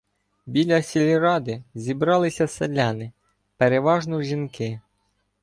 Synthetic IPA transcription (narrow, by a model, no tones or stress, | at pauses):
bʲilʲɐsʲilʲiɾɑd̪ɪzʲibɾɑlˠɪsʲɐselʲanɪ | peɾeʋɑʒnɔʒʲinkɪ